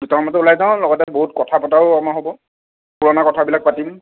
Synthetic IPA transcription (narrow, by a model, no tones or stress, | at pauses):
dutaɔmɔtɛulajzaʊ̃lɔɡɔtɛboɦutkɔtʰapɔtaʊamaɦobɔ | puɹɔnakɔtʰabilak̚patim